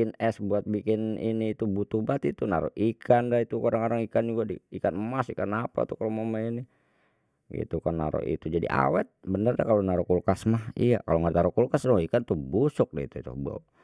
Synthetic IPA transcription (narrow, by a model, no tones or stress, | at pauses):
inɛsbuat̪̚bikɪniniːt̪ubut̪ubat̪it̪unaɾo̰ʔikʰandait̪ukodaŋoɾaŋikand͡ʒuɡadiikanmasikanapa̰t̪ukalomamaini | ɡḭt̪ukanːa̰ɾo̰ʔḭt̪ud͡ʒadḭʔa̰wɛt̪̚bənərdakalonaɾɔkulkasmahija̰kaloŋaɾt̪aɾɔkulkasnoikant̪uhbusʊk̚daḭt̪ut̪ṵhba̰u